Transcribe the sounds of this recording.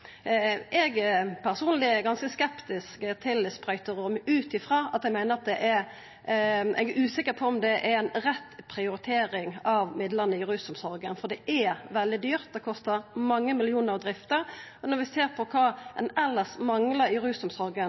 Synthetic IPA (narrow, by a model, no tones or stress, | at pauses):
ʔɛɡpʰæʁsuːnlɪɛɾɡɑnskəskɛpt̪ɪskkət̪ʰɪlspɾɑʏt̪əɾʊmʉːt̪ɪfɾɑːɑt̪ɛɡmæɪnəʁɑt̪̚d̪ɛʔɛɾ | ɛ̰ɡʉːsɪkːəɾpʰɔɔmd̪ɛʔɛɾɛɪnɾɛt̪ːpʰɾɪʊɾɪt̪ʰeːɾɪŋɑʋmɪd̪ləʁnəɪɾʉːsʊmsɔɾɡənfɔd̪ɛʔɛʋɛld̪ɪd̪yːɾt̪̚d̪ɛkʰɔst̪əɾmɑŋːəmɪlɪuːnəɾd̪ɾɪft̪əɾɔnɔɾʋɪseːɾpʰɔkʰɑːɛnɛlːəsmɑŋləɾɪɾʉːsʊmsɔɾɡə